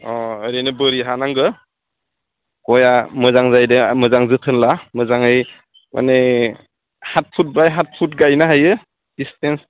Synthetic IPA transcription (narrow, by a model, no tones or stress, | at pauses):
ɔəɾinɯbɯɾiɦanaŋɡɯ | kɔjamɯzaŋzajdɯmɯzaŋzɯtʰɯnlamɯzaŋɯj | mʔa̰ne | hat̚pʰut̚bajɦat̚pʰut̚ɡajnaɦajɯ | d̥istens